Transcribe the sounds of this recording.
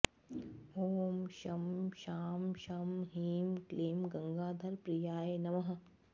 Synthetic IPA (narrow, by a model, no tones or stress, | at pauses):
oːmʃɐmʃaːmʃɐmɦiːmkleːmɡɐŋɡaːd̪ʱɐɾpɾijaːjeːnɐmɐɦɐ̆